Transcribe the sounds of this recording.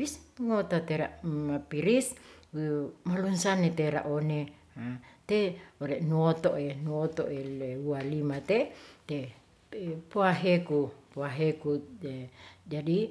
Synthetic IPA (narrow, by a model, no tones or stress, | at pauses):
bisŋot̪at̪eɾaʔmapiɾis | malunsanet̪eɾa̰ʔone | at̪eoɾeʔnuot̪oʔenuot̪o̰ʔeleualimat̪et̪e | poaɦekupoaɦekued͡ʒadi